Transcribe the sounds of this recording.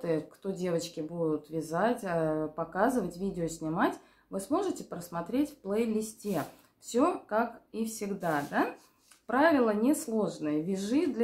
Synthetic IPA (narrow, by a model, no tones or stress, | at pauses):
t̪ɨkt̪o̞dʲe̞vət͡ɕkʲɪbud̪ʊt̪vʲɪzatʲəpɐkazɨvətʲvʲidʲɪosʲnʲɪmatʲ | vɨsmo̞ʐɨtʲɪpɾəsmɐt̪ɾʲetʲfplˠejlʲɪsʲtʲe | fsʲo̞kakifsʲɪɡd̪ad̪a | pɾavʲɪlˠənʲɪslˠo̞ʐnəjəvʲɪʐɨd̪lʲ